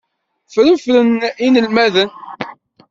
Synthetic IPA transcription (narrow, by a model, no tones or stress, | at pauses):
fɾənfɾəninəlmæðən